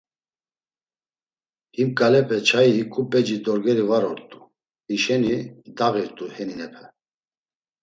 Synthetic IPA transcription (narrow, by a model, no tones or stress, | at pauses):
himkʼalɛpʰɛt͡ʃʰaikʼupʼɛd͡ʒid̪ɔɾɡɛɾivaɾɔɾt̪ʼu̥ | hiʃɛnid̪aɣiɾt̪ʼuhɛninɛpʰɛ